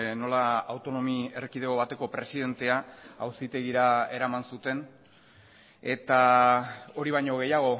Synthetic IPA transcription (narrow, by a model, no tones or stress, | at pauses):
no̞laawt̪o̞no̞mie̞rekiðe̞ɣoβat̪e̞ko̞pɾe̞siðe̞nt̪e̞aawsit̪e̞ɣiɾae̞ɾamansut̪e̞n | e̞t̪a | o̞ɾiβ̞ajɲo̞ɣe̞jaɣ̞o̞